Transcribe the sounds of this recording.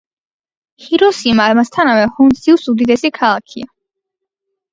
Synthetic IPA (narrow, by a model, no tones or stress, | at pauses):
hiɾɔsimamast̪ʰanavɛhɔnsilˠsud̪id̪ɛsikʰalˠakʰḭa